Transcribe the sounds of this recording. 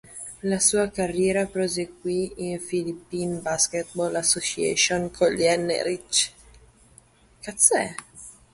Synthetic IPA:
lasuːakarːjɛːɾapɾozeɡwiinfilipːinbaskɛt̪̚bolasːosiḛʃonkʰoliɛnːḛɾit͡ʃ | kat̪sɛ̰

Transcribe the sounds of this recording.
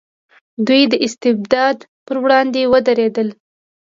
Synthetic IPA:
d̪ujd̪əʔɪst̪ɪbd̪ɑd̪ | pəɾwɽɑnd̪ewəd̪aɾed̪əl

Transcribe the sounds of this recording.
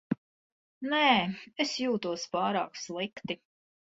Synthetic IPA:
nɛːesjuːt̪uɔspɑːɾa̰ːkslˠikt̪i

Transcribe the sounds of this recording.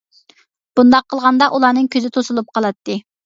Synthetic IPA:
b̥und̪ɑqʰːəlˠʁɑnd̪ɑʔulˠɑːnɨŋkʲʰøzɪt̪ʰosulˠup̚qʰɑlˠɑt̪ːɨ

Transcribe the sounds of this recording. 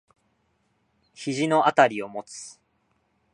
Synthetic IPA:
çiʑino̞ʔat̪aɾʲio̞mo̞t͡sɨ̥

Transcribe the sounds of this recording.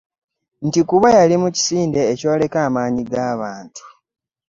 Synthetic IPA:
n̩tikuβajalimuci̥siːnde̞ːco̞ːle̞kaːmaːɲiɡaːβaːntu̥

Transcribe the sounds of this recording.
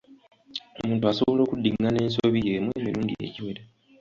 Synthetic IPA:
omuːntuaso̞βo̞lo̞ːkudːiŋɡane̞ːnsoβijeːmweːmiluːndḭjḛciweɾe

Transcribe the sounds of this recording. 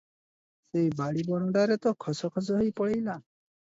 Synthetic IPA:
sejbaɽibɔɽ̃ɔɖaɾet̪ɔkʰɔsɔkʰɔs̬ɔɦojpɔɭejla

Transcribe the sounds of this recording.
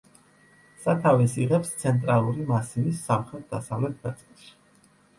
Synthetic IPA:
sat̪ʰavɛsiʁɛpst̪sʰɛnt̪ʼɾalˠuɾimasivisːamχɛt̪̚ʰd̪asavlɛt̪̚ʰmɛt̪ʰʼɛʃi̥

